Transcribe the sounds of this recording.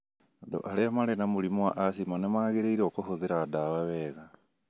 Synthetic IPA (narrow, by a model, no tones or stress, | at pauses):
ado̰ʔaleamalenamulimuaʔasimanemaːɣeɾeiɾokohoðeɾadaβaβeɣa